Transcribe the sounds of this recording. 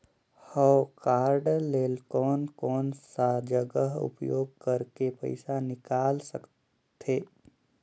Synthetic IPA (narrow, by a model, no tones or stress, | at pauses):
hɔːkaːɾɖleːlkɔːnkɔːnsad͡ʒəɡəɦʊ̰pjoːɡ̚kɐɾkepə̰ɪsanɪkaːlsək | t̪ʰeː